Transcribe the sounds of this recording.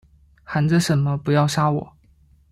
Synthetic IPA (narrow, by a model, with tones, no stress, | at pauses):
xa˧˥nd͡zə˧ʂə˨˥nmə˦pu˧˥jɑ˥˩ʊʂa˥wɔ̰˨˩˦